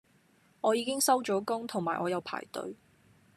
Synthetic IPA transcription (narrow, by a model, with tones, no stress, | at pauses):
ɔː˨˧jiː˨˧kɪ˥ŋsɐ˥wt͡ʃɔː˨˥kʊ˥ŋt̪ʰʊ˨˩ŋmaː˨˩jʔɔː˨˧jɐ˨˧wpʰa̰ː˨˩jt̪ɵ̰˨˧˥ɥ